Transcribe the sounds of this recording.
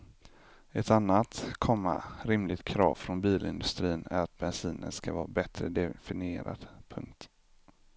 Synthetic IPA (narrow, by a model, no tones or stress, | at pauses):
ɛt̪anːat̪kʰɔmːa̰ɾɪmlɪt̪kʰɾɑːvfɾɔnbiːlɪnd̪ɵst̪ɾiːnæ̰ɾat̪̚bɛnsiːnə̰nskavɑːbɛt̪ɾəd̪ɛfɪnɪeːɾa̰d̪̥pʰɵŋkt̪